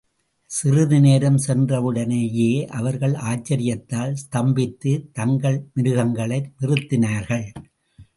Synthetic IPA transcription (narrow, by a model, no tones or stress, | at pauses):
sɪrɯðɯneːɾɐmsɛndrɐʋɯɽɐnejeːʔɐʋɐɾɣɐɭʔaːt͡ʃːɐɾɪjɐt̪ːaːlst̪ɐmbɪt̪ːɯt̪ɐŋɡɐɭmɪɾɯɣɐŋɡɐɭɐɪmɪrɯt̪ːɪnaːɾɣɐɭ